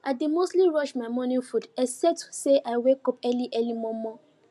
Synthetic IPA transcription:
ademostliɹɔʃmaɪmɔ̃nĩfudɛsɛtu̥seʔaɪwekɔpɛliʔɛlimɔmɔ

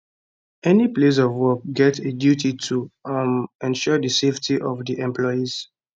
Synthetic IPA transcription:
ɛniples̬ɔvwɔk̚ɡɛtedjutitʰu | ɛ̃nʃɔdəseftiʔɔvdiʔɛ̃mplɔɪiz̥

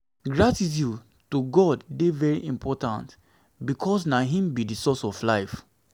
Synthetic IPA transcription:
ɡɹatis̬ju | tuɡɔddevɛɹiʔĩmpʰɔtã̰nt | bikʰɔsnaɦĩmbidisɔsɔflaɪf

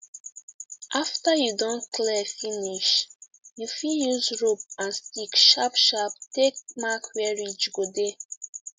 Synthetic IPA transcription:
ʔaftəjudɔ̃nkʰlɛfiniʃ | jufiljuzɹup̚ãnstikʃapʃap̚tek̚makwɛɹid͡ʒɡode

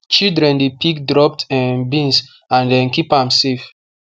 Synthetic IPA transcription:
t͡ʃildɾɛ̃ndepʰikdɾɔp̚tɛ̃nbĩns | ãndɛ̃nkipãmsef

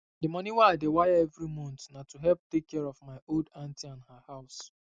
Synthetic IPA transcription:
dɪmɔniwaaɪdewajaɛvɾimɔ̃ntnatuɦɛlp̚tekʰːɛɹɔvmaɪʔoldãntiãnhahaʊs

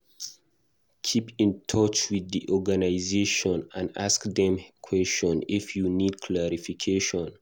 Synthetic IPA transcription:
kʰipʰĩntʰɔt͡ʃwiðːiʔɔɡanaɪzeʃɔ̃nãnaskdɛ̃mkʰwɛst͡ʃɔ̃nifjunid̚kʰlaɹifikʰeʃɔ̃n

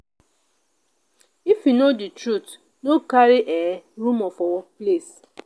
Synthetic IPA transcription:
ifjunoditɾut | nokaɾiʔeɾumɔfɔwɔples

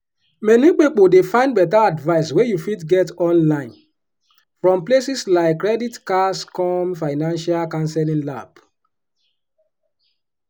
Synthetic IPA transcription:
mɛnik͡pipodefãɪ̃ndbɛtaadvaɪswejufitɡɛtɔ̃nlãɪ̃n | fɹɔ̃mplesislaɪkːɹɛditkaskɔmfaɪnãnʃalkãnsɛlĩŋla̰b̥

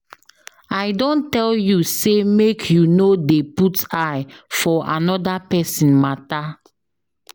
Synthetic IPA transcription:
aɪdõntɛljusemekʰjunodeputajfɔʔanɔdapɛsĩnmata

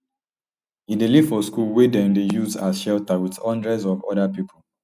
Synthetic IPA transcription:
ideliv̥fɔskulwedɛ̃mdejuzasʃɛltawitɔ̃ndɹɛzɔvɔ̰dapipʰɔl

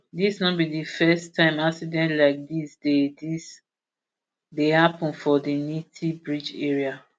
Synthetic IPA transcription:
disnɔt̚bidifɛstʰãɪ̃maksidɛ̃ntlaɪk̚disdedis | dehapə̃nfɔdinitʰibɹid͡ʒɛɹia

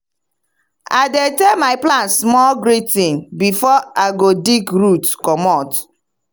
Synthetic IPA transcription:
a̰detemaɪplãnsmɔlɡɾitĩnbifɔaɡodikɾutkɔmɔt

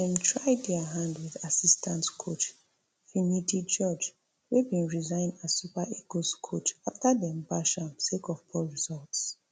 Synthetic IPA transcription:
dɛ̃mtʰɹaɪdɛaɦãndwiðasistãntskʰot͡ʃ | fimitit͡ʃɔd͡ʒ | webĩnɹizãɪ̃ndasupaʔiɡoskʰot͡ʃaftadiɛ̃mbaʃɔ̃nsekɔvbʰɔɹizɔlts

